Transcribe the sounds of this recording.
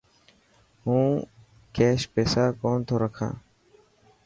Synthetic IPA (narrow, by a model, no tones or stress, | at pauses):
hũː | keːɕpeːsaːkoːnt̪ʰoːɾəkʰã̰ː